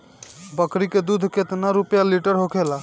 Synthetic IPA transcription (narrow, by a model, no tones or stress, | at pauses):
bəkɾiked̪ud̪ʱket̪naɾupjaliʈəɾɦokʰela